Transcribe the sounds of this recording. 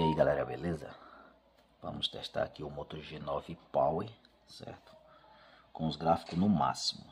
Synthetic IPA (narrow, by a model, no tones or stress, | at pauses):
aiɡalɛɾɐbelezɐ̰ | vɐ̰̃mʊst̪ɛʃt̪a̰ɾakiʊmot̪oʒenɔvɪpawi | sɛ̰ɾt̪ʊ̥ | kõʊzɡɾafi̥kʊnʊma̰si̥mʊ